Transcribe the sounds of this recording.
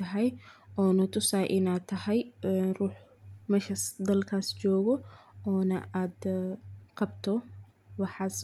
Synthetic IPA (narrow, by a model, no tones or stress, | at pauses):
ɐɦɛjʔɔːnʊt̪ʰʊsaːjʔɪnaːd̪̚t̪ʰːɐhɛjruːħmɐʃɐsd̪ɐlkʰaːst͡ʃɔːɣɔɔːnɐ̰ʔaːd̪ | qɑbt̪ʰɔ | wɑħɑːs